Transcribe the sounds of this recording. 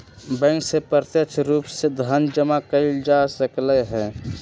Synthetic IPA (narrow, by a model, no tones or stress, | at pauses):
bɛ̃ːŋksepəɾt̪jəkt͡ʃʰɾuːpsed̪ʱənd͡ʒəmakəɪld͡ʒasəkleɦɛ̃ː